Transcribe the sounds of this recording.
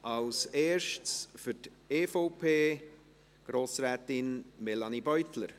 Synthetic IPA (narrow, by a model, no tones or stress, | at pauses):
ʔɑlseːɾʃtsfyt | eːfoʊpʰeː | ɡ̥ɾoːsɾɛːtɪnmɛlɑnibœʏtləɾ